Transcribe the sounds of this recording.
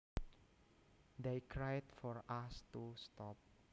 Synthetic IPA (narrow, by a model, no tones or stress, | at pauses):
d̪ekɾajt̪fɔɾast̪ust̪ɔp̚